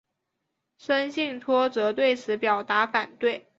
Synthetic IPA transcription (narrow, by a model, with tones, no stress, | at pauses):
ʂə˥nɕi˥˩ŋt̪ʰwɔ˥t͡sɤ˧˥t̪we˥˩ɪt͡sʰɹ̩˧˥pjɑ˨˩ʊt̪a˧˥fa˨˩nt̪we˥˩ɪ